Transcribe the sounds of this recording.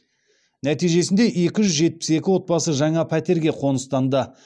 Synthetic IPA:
næt̪ijʒe̞sɪnd̪e̞ʔe̞kʲɪʒʏzʒe̞t̪̚pɪ̥se̞kʲɪwo̞t̪̚bɑsəʒɑɴɑpʰæt̪e̞ɾɡʲe̞qʰo̞nəst̪ɑnd̪ə

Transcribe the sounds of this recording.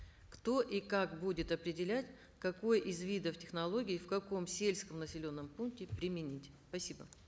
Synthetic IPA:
kt̪o̞ʔikakbudʲɪt̪ɐpɾʲɪdʲɪlʲætʲ | kɐko̞jʔizvʲid̪əftʲɪxnɐlˠo̞ɡʲɪːfkɐko̞msʲelʲskəmnəsʲɪlʲo̞nːəmpunk̚tʲɪpɾʲɪmʲɪnʲitʲspɐsʲibə̰

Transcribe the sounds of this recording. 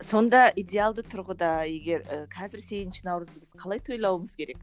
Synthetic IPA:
so̞nd̪ɑid̪ʲe̞alˠd̪ət̪ʰʊɾʁəd̪ɑje̞ɡʲe̞ɾəqʰɑzɪɾse̞jɪnʃɪnɑwɾəzd̪əbɪz̥qʰɑlˠɑjt̪ʰo̞jlˠɑwəməz̥kʲʰe̞ɾe̞k̚

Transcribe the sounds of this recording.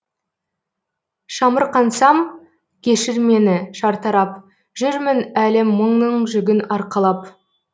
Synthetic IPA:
ʃɑməɾqɑnsɑm | kʲʰe̞ʃɪɾme̞nɪʃɑɾt̪ɑɾɑp̚ | ʒʏɾmɪnælemːəɴnəɴʒʏɡʲɪnɑɾqɑlˠɑp

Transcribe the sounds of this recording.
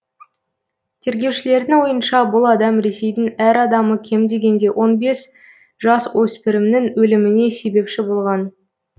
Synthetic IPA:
t̪ʰe̞ɾɡʲe̞wʃɪle̞ɾd̪ɪŋwo̞jənʃɑbʊlˠɑd̪ɑmɾe̞se̞jd̪ɪŋæɾɑd̪ɑməkʲʰe̞md̪e̞ɡʲe̞nd̪e̞wʔo̞nbe̞s | ʒ̥ɑswɵspɪɾɪmnɪŋwɵlɪmɪne̞se̞be̞pʃɪbo̞lˠʁɑn

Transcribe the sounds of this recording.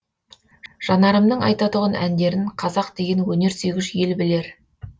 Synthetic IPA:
ʒ̥ɑnɑɾəmd̪əɴɑ̰jt̪ɑt̪ʊʁɑnʔænd̪e̞ɾɪɴqʰɑzɑq̚d̪e̞ɡʲe̞nwɵne̞ɾse̞ɡʲɪʒje̞lbɪle̞ɾ

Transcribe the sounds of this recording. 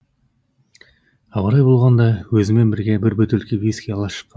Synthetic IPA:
ɑbɑɾɑjbo̞lˠʁɑnd̪ɑwɵzɪme̞nbɪɾɡʲebɪɾbɵt̪elkʲevʲiskʲejɑlˠɑʃə̥qːɑ

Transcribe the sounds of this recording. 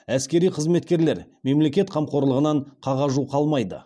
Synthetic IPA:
æskʲe̞ɾijqʰəzme̞t̪kʲe̞ɾle̞ɾme̞mle̞kʲe̞t̪qʰɑmqʰo̞ɾlˠəʁənɑɴqʰɑʁɑʒuqʰɑlˠmɑjd̪ə̰

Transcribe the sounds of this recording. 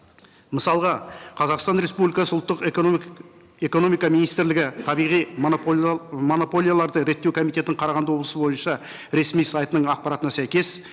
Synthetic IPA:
məsɑlˠʁɑqʰɑzɑqst̪ɑnɾe̞spublijkɑsəʊlˠt̪ːəq | e̞ko̞no̞mijkɑminijst̪ɪɾlɪɡʲɪt̪ʰɑbijʁij | mo̞nopo̞lʲˠijalˠɑɾd̪əɾe̞t̪ːe̞wkʰo̞mit̪e̞t̪ɪɴqʰɑɾɑʁɑnd̪əwo̞blˠəsəbo̞jənʃɑ | ɾe̞smijsɑjt̪ənəɴɑq̚pɑɾɑt̪ənɑsæjkʲe̞s

